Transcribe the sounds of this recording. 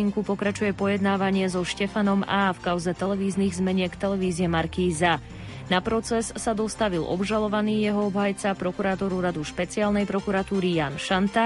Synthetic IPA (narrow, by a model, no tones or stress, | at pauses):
iŋkupɔkɾat͡ʃujɛpɔjɛd̪naːʋaɲɪɛzɔʃcɛfanɔmaːfkaʊzɛt̪ɛlɛʋiːzniːɣzmɛɲɪɛkt̪ɛlɛʋiːziɛmaɾkiːza | napɾɔt͡sɛssad̪ɔst̪aʋilʔɔ̰bʒalɔʋaniːjɛɦɔɔbɦajt͡sapɾɔkuɾat̪ɔɾuɾad̪uʃpɛt͡siaːlnɛjpɾɔkuɾat̪uːɾijaːnʃant̪a